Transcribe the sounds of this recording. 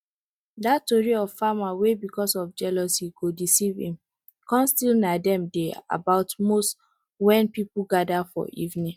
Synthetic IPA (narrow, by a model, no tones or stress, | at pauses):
dattoɹiɔv̥famawebikɔsɔfd͡ʒɛlosiɡodisivḭ̃m | kɔ̃nstilnadɛ̃mdea̰baʊtmost | wɛ̃npipuɡadafɔ̰ʔḭvnĩ